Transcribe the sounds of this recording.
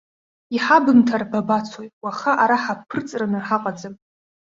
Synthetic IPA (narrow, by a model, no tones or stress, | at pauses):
iħabɨntʰarbabat͡sʰojwaχaʔaɾaħapʰːɨrt͡sʼranɨħaqʼad͡zɨm